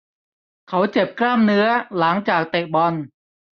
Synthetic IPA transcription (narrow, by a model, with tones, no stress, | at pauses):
kʰa˦˥wt͡ɕe˨˩p̚klaː˥˩mnɯ˦˥ɐla˩˦ŋt͡ɕaː˨˩k̚t̪e˨˩bɔ˧n